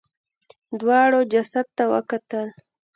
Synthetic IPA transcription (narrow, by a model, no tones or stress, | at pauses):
d̪wɑɽod͡ʒasad̪̚t̪awə̰kat̪əl